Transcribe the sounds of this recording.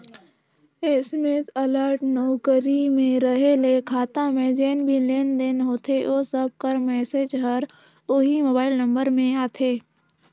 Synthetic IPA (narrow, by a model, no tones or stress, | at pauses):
eɪsmet̪ələɾʈnoːkəɾimẽɾəɦelekʰaːt̪ãmẽd͡ʒeːnbʱileːnd̪eːnɦoːt̪ʰeʔoːsəb̚kəɾmɛːsed͡ʒɦəɾ | ʊɦimoːbaːɪlnə̃mbəɾmẽaːt̪ʰeː